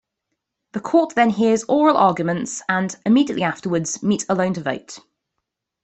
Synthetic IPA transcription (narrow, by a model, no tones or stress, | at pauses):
ðəkʰɔˑʔðə̃nɦɪəzɔːɹəlʔɑːɡjmə̃ntsə̃nɪmiːdijəʔliaftəwədz̥miˑtʰələ̃ʊ̃ntʰəvə̰ʊt